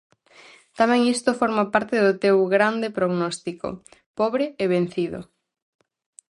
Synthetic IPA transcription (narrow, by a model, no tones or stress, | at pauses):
t̪amɛ̃ŋist̪ofɔɾmapaɾt̪ɪðʊt̪ewɣɾand̪epɾoɣnɔst̪iko̰pɔβɾɪeβen̟θiðo̰